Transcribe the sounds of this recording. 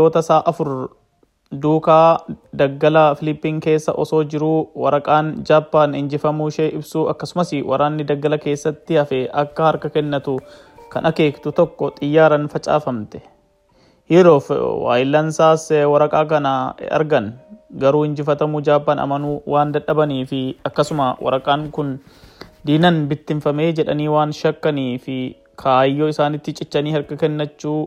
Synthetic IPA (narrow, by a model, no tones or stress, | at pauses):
oːt̪ɐsaːʔɐfʊɾ | d̪uːkaːd̪ɐɡːɐlɐfɪlɪpːiːŋke̞ːsːɐ̰ʔɔso̞ːd͡ʒɪɾuːwɐɾɐkʼaːnd͡ʒaːpːaːnhɪnd͡ʒɪfɐmuːʃeːɪbsuːɐkːɐsʊmɐsɪwʔɐɾaːnːɪd̪ɐɡːɐlɐke̞ːsːɐt̪ːɪɐfɛʔɐkːɐhɐɾkɐkɛnːɐt̪ʊ | kɐ̰nʔɐke̞ːkt̪ʊt̪ɔkːɔt̪ʼɪjːaːɾɐnfɐt͡ʃʼa̰ːfɐmt̪ɛ̥ | hɪɾoːfwa̰ːjɪlːɐnsaːswɐɾɐkʼaːkɐnɐɐ̰ɾɡɐnɡɐɾuːhɪnd͡ʒɪfɐt̪ɐmʊd͡ʒaːbːɐnɐ̰mɐnuːwaːnd̪ɐᶑɐbɐniːfɪɐkːɐsʊmawʔɐ̰ɾɐkʼaːŋkʊn | d̪iːnɐnbɪt̪ːɪnfɐme̞ːd͡ʒɛᶑɐniːwaːnʃɐkːɐniːfɪ | kʰajːoːɪsaːnɪt̪ːɪt͡ʃʼɪt͡ʃːɐniːhɐɾkɐkɛnːɐt͡ʃːuː